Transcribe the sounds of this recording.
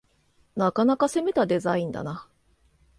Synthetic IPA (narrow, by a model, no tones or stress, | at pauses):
nakanakase̞me̞t̪ad̪e̞zaĩnd̪a̰na